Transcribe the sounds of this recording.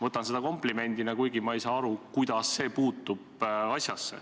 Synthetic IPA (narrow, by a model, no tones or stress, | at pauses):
vɤt̪ːˑɑnse̞d̪ɑko̞mpˑlime̞nʲd̪inɑkujɡimɑejsɑːɑɾukujd̪̥ɑsːe̞ːpuːt̪ːˑub̥ɑsʲjɑsːe̞̰